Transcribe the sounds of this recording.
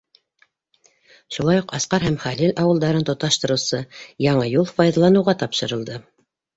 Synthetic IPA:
ʃulˠɑjuqɑsqɑɾhæmχælɘlɑwɤ̆lˠd̪ɑɾɤnt̪ŏt̪ɑʃt̪ɤ̆ɾɤ̆wsɤjɑɴɤjulˠfɑjðɑlˠɑnɤ̆wʁɑt̪ɑpʃɤ̆ɾɤ̆lˠd̪ɤ

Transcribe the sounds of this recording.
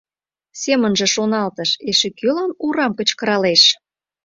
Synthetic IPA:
semənʒə̆ʃonɑlt̪əʃeʃekølɑnuɾɑmkət͡ɕkəɾɑleʃ

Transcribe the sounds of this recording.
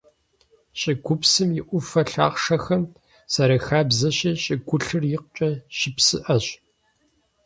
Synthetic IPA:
ɕʼɪɡʷʊpsɨmjɪʔʷʊfɐɬa̰ːχʂɐxɐm | sɐɾɐxaːbzɐɕiɕʼɪɡʷʊɬɨrjɪq̚t͡ʃʼɐɕɪpsɨ̰ʔɐɕʼ

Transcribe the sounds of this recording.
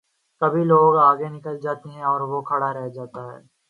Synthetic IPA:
kɐbʱiloːɡaːɡenɪkəld͡ʒaːt̪eɦɛ̃ɔːɾʋokʰɐɽaɾɛɦd͡ʒaːt̪aɦɛ̰ː

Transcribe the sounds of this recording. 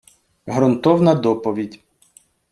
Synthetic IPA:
ɦɾɔnt̪ɔwnɐd̪ɔpɔʋʲidʲ

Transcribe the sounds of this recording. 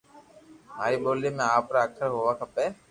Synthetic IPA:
m̤aːɾiːɓoːleːmẽːaːpɾaːəkʰəɾɦoːʋaːkʰəpeː

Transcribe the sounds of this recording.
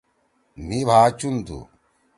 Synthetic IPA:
nibʱaːt͡ʃund̪ṵ

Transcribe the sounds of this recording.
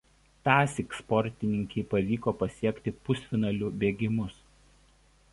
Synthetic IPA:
t̪ɑːsʲɪkspɔɾʲt̪ʲɪnʲɪŋʲkʲɛɪpɐʋʲiːkoːpɐsʲiɛkʲt̪ʲɪpʊsʲfʲɪnɐlʲʊbʲeːɡʲɪmʊs

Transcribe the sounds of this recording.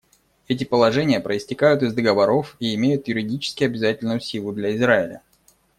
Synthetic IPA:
ɛtʲɪpəlˠɐʐɛnʲɪjəpɾəɪsʲtʲɪkajʊt̪ɪzd̪əɡəvɐɾo̞fiɪmʲejʊt̪jʊɾʲɪdʲit͡ɕɪ̥skʲɪɐbʲɪzatʲɪlʲnʊjʊsʲilˠʊd̪lʲɐɪzɾaɪlʲə̰

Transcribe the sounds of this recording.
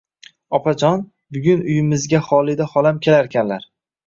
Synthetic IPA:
ɒpʰad͡ʒɒn | bʊɡʲʊnʊjɪmɪzɡʲaχɒlˠɪd̪aχɒlamkʲʰe̞laɾkʲʰanlaɾ

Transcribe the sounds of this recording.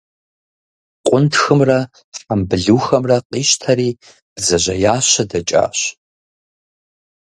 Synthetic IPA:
qʷʼʊntʰxɨmrɐ | fʼambɨɮuːxɐmrɐqʼiːʃtʰɐɾiː | b̥zɐʑɐjaːɕɐdɐt͡ʃʼa̰ːɕ

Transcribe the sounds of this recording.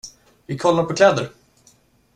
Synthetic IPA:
vɪkʰɔlːaɾpʰɔkʰlɛːd̪əɾ

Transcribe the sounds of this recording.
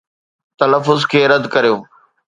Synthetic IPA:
t̪ɐləfːʊzkʰeːɾɐd̪kɐɾijoː

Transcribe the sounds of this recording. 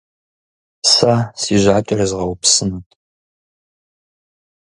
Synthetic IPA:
saːsiːʒʷaːt͡ʃʼɐɾɐzʁɐwpsɨnɐtʼ

